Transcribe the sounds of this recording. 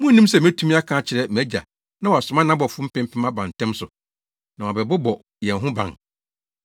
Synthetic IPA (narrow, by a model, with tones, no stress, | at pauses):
mũ˦nĩ˦msɛ˨m˦æ̃˦tʰũ˦mĩ˦a˦kʰãː˦t͡ɕʰɪ˨ɾɛ˦mæ˦d͡ʑa̰˨ | nã˦wɔ˨a˨sʊ̃˨˦mã˦nã˦bɔ˨fʊ̃˦m̩˦pʰɪ̃˦m˦pʰɪ̃˦ma˦bã˨n˨tʰɛ̃˦msʊ˨ | nã˨wɔ˨bɛ˨bʊ˦bɔ˨ | jɛ̃˨n˨ɦʊ̃˦bã̰˨n